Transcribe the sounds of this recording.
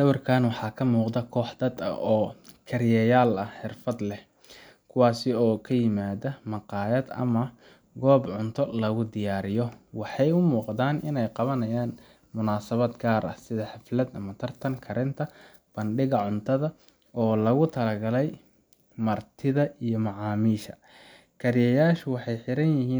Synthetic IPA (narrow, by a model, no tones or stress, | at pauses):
sɐwɐrkʰaːnwɑħɑːkʰɐmuːqd̪ɐkʰɔːħd̪ɐd̪ɐ̰ʔɔːkʰɐrjɛjaːlɐħɪrfɐd̪lɛh | kʰʊwɑːsɪɔːkʰɐjɪmaːðɐmɑqɑːjɐd̪ɐ̰mɐ | ɡɔːbʕʊnt̪ʰɔlɐɣʊd̪ɪjaːɾɪjɔwɑħɑjʊmuːqd̪aːnɪnɛjqɑβɐnɐjaːn | mʊnaːsɐβɐd̪ɡaːɾʔɐ̰hsɪðɐħɑflɐd̪ɐmɐt̪ʰɐrt̪ʰɐŋkʰɐɾɪnt̪ʰɐ | b̥ɐnɖɪɣɐʕʊnt̪ʰɐðɐ | ɔːlɐɣʊt̪ʰɐlɐɡɐlɛj | mɐrt̪ʰɪðɐijɔmɑʕɑːmiːʃɐ | kʰɐɾɪjɛjaːʃʊwɑħɑjħɪɾɐnjɪɦiːn